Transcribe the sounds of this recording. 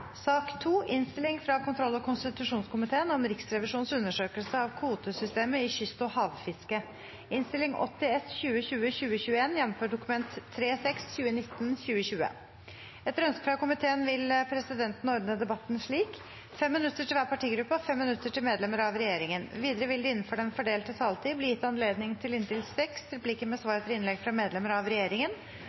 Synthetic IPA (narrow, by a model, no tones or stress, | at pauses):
sɑːkt̪ʰuːʔɪnst̪ɪlɪŋfɾɑkʰʊnt̪ʰɾɔlːɔkʰʊnst̪ɪt̪ʉʂuːnskʰʊmɪt̪ʰeːənɔmɾɪksɾɛʋɪʂuːnsʉnːəʂøːkəlsəɑʋkʰuːt̪əsʏst̪eːməɪɕʏst̪ɔhɑːʋfɪskə | ɪnst̪ɪlɪŋʔɔ̰t̪ːɪɛsçʉːəçʉːəçʉːəçʉːəeːnjɛnːɔmføːɖʊkʉmɛnt̪ʰːɾeːsɛksçʉːənɪt̪ːn̩ɕʉːəɕʉːə̰ | ɛt̪əɾœnskəfɑkʊmɪt̪ʰeːənʋɪlpʰɾɛsɪd̪ɛnt̪n̩ɔɾd̪nəd̪ɛbɑt̪ːnʂɭiːk | fɛmːɪnʉt̪ːəʈʰɪlʋæːɾpʰɑʈʰiːɡɾʉpːəɔfɛmːɪnʉt̪ːəʈɪlmeːd̪lɛməɾɑʋɾɛjeːɾɪŋənʋiːd̪əɾəʋɪld̪ɪɪnːən̩fɔɖɛnfɔɖeːlt̪ət̪ʰɑːlt̪ʰiːblɪːjɪt̪ːɑnleːd̪nɪŋt̪ʰɪlɪnt̪ɪlsɛksɾɛplikːəɾmɛsʋɑːɾət̪ʰɪɾɪnlɛɡfɾɑmeːd̪lɛməɾɑʋɾɛjeːɾɪŋən